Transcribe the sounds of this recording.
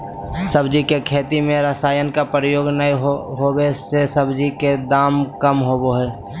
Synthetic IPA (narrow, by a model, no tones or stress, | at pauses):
səbd͡ʒikekʰeːt̪imẽɾəsaːjənkapɾəjoːɡnəiɦɦoːwesesəbd͡ʒiked̪aːmkəmɦoːboɦɛː